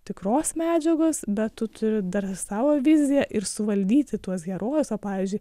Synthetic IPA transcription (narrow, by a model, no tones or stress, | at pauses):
t̪ʲɪkroːsmʲæːd͡ʒʲɛɡoːsbʲɛt̪t̪ʊt̪ʰʊɾʲɪd̪ɐrsɑːʋoːʋʲɪzʲɪjɛʔɪɾsʊʋɐlʲd̪ʲiːt̪ʲɪt̪uɔs̬ɡʲɛɾoːjʊsoːpɑːʋʲiːzʲd͡ʒʲʊɪ